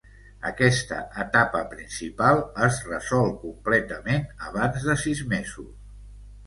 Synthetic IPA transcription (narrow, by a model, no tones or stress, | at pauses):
ə̰kɛst̪ə̰ʔət̪apəpɾinsipalˠəzrəzɔlˠkumplɛt̪əmenəβ̞anzðəsizmezus